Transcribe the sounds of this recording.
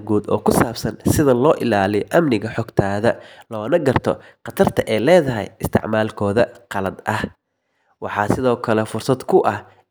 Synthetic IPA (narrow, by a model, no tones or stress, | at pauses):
ɡuːd̪ɔ̰ːkʰʊsaːbsɐnsɪðɐlɔːʔɪlaːlɪjʔɐmnɪɣɐħɔɡt̪ʰaːðɐlɔːnɐɡɐrt̪ʰɔ̰qɑt̪ʰɐrt̪ʰɐʔɛːlɛːðɐɦɛ̰jɪst̪ʰɪ̰ʕmaːlkʰɔːðɐqɑlɐd̪ɐh | wɑħɑːsɪðɔːkʰɐlɛfʊrsɐd̪kʰʊʔɐh